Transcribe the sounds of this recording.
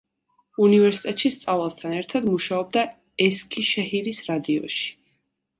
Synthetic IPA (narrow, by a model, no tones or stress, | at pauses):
univɛɾsi̥t̪ʼɛt̪ʼʃist̪sʼavalˠst̪ʰanɛɾt̪ʰad̪muʃaɔb̚d̪a | ɛskʰʼiʃɛhiɾisɾad̪iɔ̰ʃi̥